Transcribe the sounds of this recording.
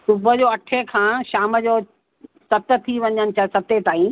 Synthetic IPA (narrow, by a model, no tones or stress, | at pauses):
sʊbʱəd͡ʑoːɐʈʰekʰãːʃaːmə̆d͡ʑoː | sɐb̚t̪ə̆t̪ʰiʋɐ̃ɲənɪ̆t͡ɕʰɐsɐb̚t̪et̪aːĩ